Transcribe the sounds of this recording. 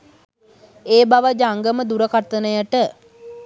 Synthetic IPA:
eːbaʋəd͡ʒəaŋɡəməd̪uɾəkat̪ːənəjəʈə

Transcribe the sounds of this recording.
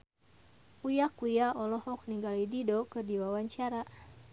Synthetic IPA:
ujakujaɔlɔhɔk̚niŋɡalididɔkɨrdiwawaɲt͡ʃaɾa

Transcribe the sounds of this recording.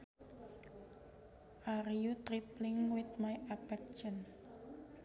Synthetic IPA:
ʔaɾjut̪ɾiplɪŋwɪt̪̚majapɛk̚t͡ʃən

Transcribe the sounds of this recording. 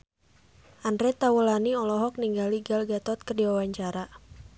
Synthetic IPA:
ʔandɾɛt̪awəlaniɔlɔɦɔk̚niŋɡaliɡalɡat̪ɔt̪̚kərdiwawaɲt͡ʃaɾa

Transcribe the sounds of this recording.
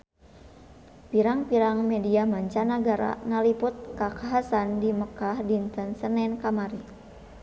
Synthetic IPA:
piɾaŋpiɾaŋmediamaɲt͡ʃanaɡaɾa̰ŋaliput̪̚kakaɦasandiməkahdint̪ənsənɛnkamaɾi

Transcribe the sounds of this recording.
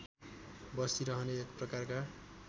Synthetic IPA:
bʌsiɾʌɦʌneːkprʌkarka

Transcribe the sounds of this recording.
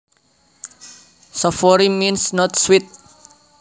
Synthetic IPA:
sɔfɔɾiminsnɔt̪̚swit̪̚

